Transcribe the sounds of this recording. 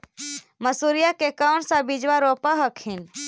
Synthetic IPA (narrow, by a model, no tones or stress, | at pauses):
məsuɾijakekəʊnsãbid͡ʒʋaɾopaɦəkʰin